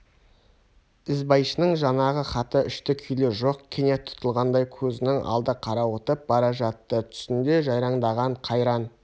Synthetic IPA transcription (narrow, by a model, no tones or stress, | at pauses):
ɪzbɑjʃənəɴʒɑnɑʁəχɑt̪əʏʃt̪ɪkʲʰʏjleɾʒo̞qkʲʰene̞t̪ʰːʊ̥t̪əlˠʁɑnd̪ɑjkʲʰɵzɪnɪŋʔɑ̰lˠd̪əqʰɑɾɑwət̪əp̚bɑɾɑʒɑt̪ːət̪ʰʏ̥sɪnd̪e̞ʒɑjɾɑɴd̪ɑʁɑɴqʰɑjɾɑn